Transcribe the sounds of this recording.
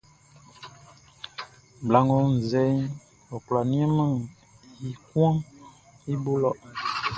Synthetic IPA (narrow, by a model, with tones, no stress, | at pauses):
bla˨ŋɡɔ˨˦n̩˨zɛ˦j | ɔ˨kla˨ni˦ɛ˦ma˦˨ŋ | i˨kwã˦ | i˦bo˦lɔ˦˨ʔ